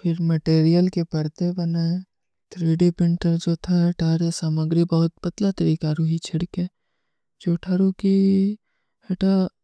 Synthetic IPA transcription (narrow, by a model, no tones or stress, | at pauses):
pʰɪɾmeʈeːɾijəlkepɐɾt̪ebɐna | t̪ʰɾiːɖipɪ̃ɳʈəɾd͡ʒot̪ʰaʈʰaːɾesaːməɡɾibɐɦʊt̪̚pɐt̪lat̪ɐɾiːkaɾʊɦit͡ʃʰɪɽke | d͡ʒoːʈʰaːɾuki | eʈa